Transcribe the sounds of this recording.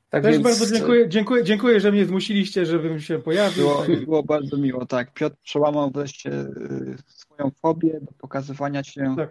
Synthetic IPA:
t̪aɡt̪ɛʐbaɾd̪zɔd͡ʑɛŋkujɛd͡ʑɛŋkujɛd͡ʑeŋkujɛʐɛmɲɛzmuɕilʲiɕt͡ɕɛʐɛvɘmɕɛpɔjavbʲiɘwɔbɘwɔbaɾd̪zɔmʲiwɔt̪akpʲjɔt̪ɾpʂɛwamawvɾɛʂt͡ɕɛ̰ | sfɔjɔ̃w̃fɔbʲjɛd̪ɔpɔkazɘvaɲaɕɛt̪ak̚

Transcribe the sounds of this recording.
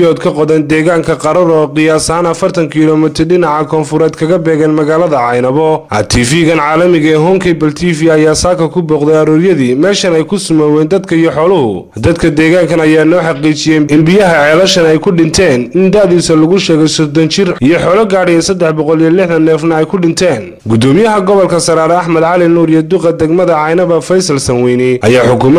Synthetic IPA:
jɔːd̪̚kʰɐqɔðɛnd̪ɛːɣaːŋkʰɐqɑɾɐɾɔqɪjaːsɐɦaːnɐfɐrt̪ʰɐŋkʰilɔːmɪt̪ʰɪrɖɪnɑʕɑkʰɔːnfʊɾɛːd̪kʰɐɣɐbɛːɣɛːnmɐɣaːlɐðɐʕɑjnɐβɔʔɐ̰t̪ʰiːfiːɣɐnʕaːlɐmɪɣɐɛɦɔŋkʰɛjbɐlt̪ʰiːfiɐjaːsaːkʰɐkʰʊbɔːqd̪ɛjɐɾuːɾjɐðiːmɛːʃɐnɛjkʰʊsʊmɐwɛːnd̪ɐd̪kʰɐijɔħɔːlʊɦʊ̰ | d̪ɐd̪kʰɐd̪ɛːɣaːŋkʰɐnɐjaːnɔːħɑqiːt͡ʃɪjɛɪnbɪjɐɦɐʕɛːlɐʃɐnɛjkʰʊɖɪnt̪ʰɛːnɪnd̪aʕðiːsɐlʊɣʊʃɛːɣɛjsɔd̪ɔnt͡ʃɪrʔijɔħɔːlɐɡaːɽɛjɛsɐd̪ɛħbɔqɔlijɔlɪħdɐnːɛːfnɐɛjkʰʊɖɪnt̪ʰɛːn | ɡʊd̪ɔːmɪjɐɦɐɡɔβɔlkʰɐsɐɾaːɾɛɐħmɐd̪ʕɑlɪnuːɾijɛd̪ʊqɐd̪ɛɡmɐðɐʕɑjnɐβɐfɛjsɐlsɐnwɛjnɪɐjaːħʊkʰʊm

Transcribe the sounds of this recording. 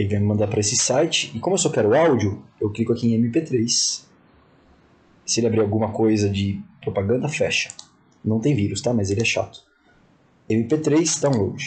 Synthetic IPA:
elɪvãj̃mɪmɐ̃nd̪aɾpɾɐesɪsajt͡ʃɪ̥ɪkõmʊewsɔkɛɾʊawd͡ʒʊewklikʊakiẽẽmipet̪ɾejs | sɪelɪabɾiɾawɡũmɐkojzɐd͡ʒɪpɾopaɡɐ̃nd̪ɐfɛʃɐ̥ | nɐ̃w̃t̪ẽj̃viɾʊst̪amɐzelɪɛʃa̰t̪ʊ̥ | ẽmɪpet̪ɾejsd̪ãw̃lowd͡ʒɪ

